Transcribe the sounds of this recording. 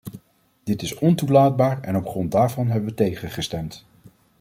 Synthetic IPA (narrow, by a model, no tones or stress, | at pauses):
d̥ɪtɪsɔntulaːd̚baːɹɛ̰nɔpχrɔnt̚daːɹvɑnɦɛbəʋətejχəχəstɛmt